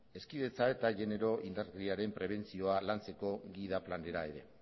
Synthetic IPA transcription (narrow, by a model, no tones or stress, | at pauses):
e̞skið̞e̞t͡sae̞t̪aʝe̞ne̞ɾo̞ʔind̪aɾɣriaɾe̞mpɾe̞β̞e̞nt͡sio̞alant͡se̞ko̞ɣið̞aplane̞ɾae̞ɾe̞